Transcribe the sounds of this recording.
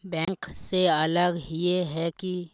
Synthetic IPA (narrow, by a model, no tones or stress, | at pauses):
bɛ̃ːŋkseɐləɡjeɦɛki